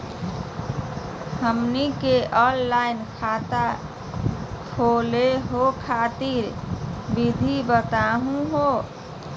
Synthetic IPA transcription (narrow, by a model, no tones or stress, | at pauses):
həmnikeʔɔnlajnkʰat̪a | kʰoleɦokʰat̪iɾbid̪ʱibət̪aɦũɦo